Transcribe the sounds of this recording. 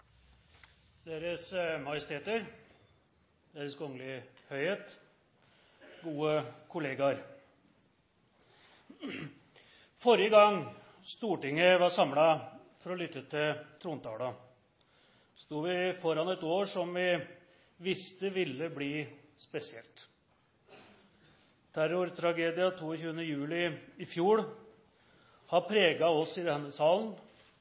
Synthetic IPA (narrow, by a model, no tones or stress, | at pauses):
d̪eːɾəsmɑjəst̪ʰeːt̪əɾ | d̪̥eːɾəskʰɔŋlɪhœʏheːt̪ | ɡuːəkʰʊleːɡɑɾ | fɔɾjəɡɑŋ | st̪uːʈɪŋːəʋɑʂɑmlɑ | fɔɾɔlʏt̪ːət̪ʰɪlt̪ʰɾuːnt̪ɑ̰ːɽə | st̪uːʋɪfɔɾɑnɛt̪oːʂɔmʋɪ | ʋɪst̪əʋɪlːəbliːspɛsɪɛlt̪ | t̪ʰæɾʊɾt̪ʰɾɑɡeːd̪ɪɑt̪ʰuːɔçʉːənəjʉːlɪɪfjuːɽ | hɑpʰɾeːɡɑɔsɪd̪ɛnːəsɑːln